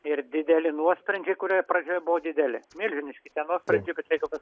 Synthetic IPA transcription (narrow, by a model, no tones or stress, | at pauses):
ɪrd̪ʲɪd̪ʲɛlʲɪnuɔsʲpʲɾʲɛnʲd͡ʒʲɛɪkʊɾʲijprɐd͡ʒʲoːjɛbʊʋod̪ʲɪd̪ʲɛlʲɪ̰mʲɪlʲʒʲɪnʲɪʃʲkʲɪt̪ʲiɛnuɔsʲpʲɾʲɛnʲd͡ʒʲɛɪbʲɛt̪ɾɛɪkʋʲɪs